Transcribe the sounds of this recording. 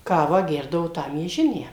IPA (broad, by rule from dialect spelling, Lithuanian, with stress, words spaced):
ˈkɑːʋɑː ˈɡʲɛrdɐʋoː ˈtɑː mʲiɛˈʒʲɪnʲæː